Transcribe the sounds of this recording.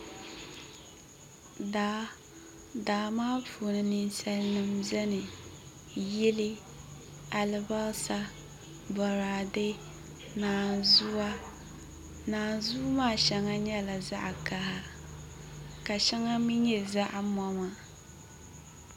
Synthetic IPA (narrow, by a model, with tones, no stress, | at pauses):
daː˨˦ | daː˨maː˦pu˨nɨ˨nɨ˦nsɛ˦lnɨ˦mzɛ˦nɨ˨ | jɪ˦lɪ˦ | a˨lɨ˨ba˦sa˦ | bɔ˨ɾa˨dɪ˦ | naː˨zu˦a˦ | naː˨zuː˦maː˦˨ʃɛ˦ŋa˦ɲɛ˦la˨za˦ʔka˦ɦa˦ | ka˨ʃɛ˦ŋa˦mi˦ɲɛ˨za˦ʔmɔ˦ma˨